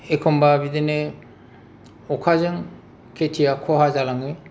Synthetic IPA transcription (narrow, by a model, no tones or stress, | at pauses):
ekʰɔmbabidene | ɔkʰazɯŋ | kʰetʰijakʰɔɦazalaŋi